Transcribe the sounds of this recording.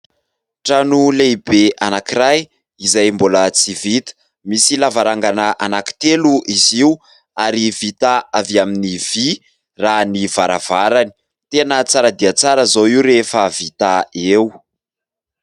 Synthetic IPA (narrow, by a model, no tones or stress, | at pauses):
ʈ͡ʂanulebeʔanakiɾaj | izajmbolət͡sivit̪ə̥ | misilavaɾaŋɡanəʔanaki̥t̪eluʔiziu | aɾivit̪aaviaminiv̥i | ranivaɾa̰v̥aɾani̥ | t̪enət͡saɾad̪iat͡saɾəzoiwɾefəvit̪aew